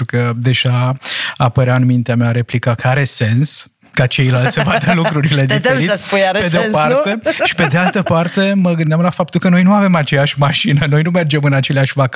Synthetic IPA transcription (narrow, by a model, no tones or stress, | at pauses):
ukəd̪e̞ʒaapəɾeaɨnmint̪eameaɾe̞plikakəaɾe̞se̞ns | kat͡ʃe̞jlalt̪sevad̪əlukɾuɾile̞d̪ifeɾit̪spujaɾeped̪eopart̪eʃi̥pe̞d̪e̞alt̪əpart̪e̞məɡɨnd̪eamlafapt̪ulkəno̞jnuave̞mat͡ʃe̞jaʃʲmaʃinəno̞jnume̞rd͡ʒe̞mɨnat͡ʃe̞leaʃʲvak